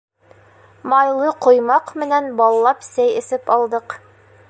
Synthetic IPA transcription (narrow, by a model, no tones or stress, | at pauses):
mɑjlˠɤqŏjmɑqmɘ̆nænbɑlˠlˠɑpsæjɘ̆sɘpɑlˠd̪ɤq